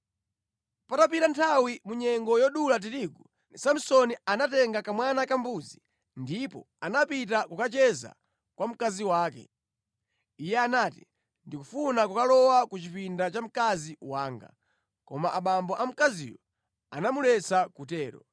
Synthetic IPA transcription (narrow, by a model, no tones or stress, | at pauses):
patap̬iɾantʰawimuɲɛŋɡɔjɔɗulat̬iɾiɡu | sam̩sɔnianatɛŋɡakamwanakambuzi | ndipɔ̰ | anapit̬akukat͡ʃɛza̰ | kwʔam̩kaziwaːkɛ̰ | ijɛanaːti | ndikufunakukalɔwakut͡ʃipindat͡ʃam̩kaziwaːŋɡa̰ | kɔmaʔaɓambɔʔam̩kazḭjɔ | anamulɛt͡sakutɛːɾɔ̰